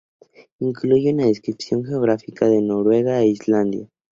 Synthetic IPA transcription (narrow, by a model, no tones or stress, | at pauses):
iŋkluʝunaðeskɾipsjo̞ŋxe̞o̞ɣɾafikaðe̞no̞ɾwe̞ɣaeizland̪ja